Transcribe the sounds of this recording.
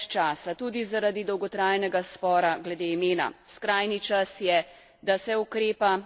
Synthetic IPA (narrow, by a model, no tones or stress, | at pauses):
t͡ʃaːsat̪uːd̪izaɾad̪id̪ɔwɡɔt̪ɾaːjnɛɡaspɔːɾaɡlɛd̪eimeːna̰skɾaːjnit͡ʃasjɛ | d̪asɛukɾeːpa